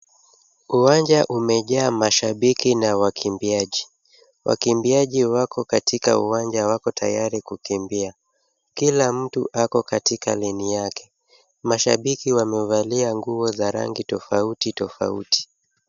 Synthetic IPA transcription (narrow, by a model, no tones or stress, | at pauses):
uwand͡ʒaʔumɛʄaːmaʃaɓikinawakʰimbiaʄi | wʔa̰kimbiaʄiwakɔkatʰika̰uwand͡ʒawakɔtʰa̰jaɾikukimbia | kilam̩tṵʔakɔkatika̰linijakɛ̥ | maʃaɓikiwamɛuvaliaŋɡuɔzaɾa̰ŋɡitɔfautitɔfa̰ṵti̥